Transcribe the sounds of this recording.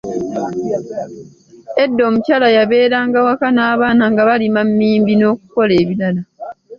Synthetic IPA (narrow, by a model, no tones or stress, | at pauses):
e̞dːo̞ːmucaːlajaβe̞ːɾaːŋɡawakanaːβaːnaŋɡaβalimamːiːmbino̞ːkuko̞le̞ːβilala